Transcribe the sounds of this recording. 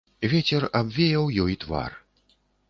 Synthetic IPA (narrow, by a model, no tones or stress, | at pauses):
vʲɛt͡sʲɛrabvʲɛjɐwjɔjt̪va̰r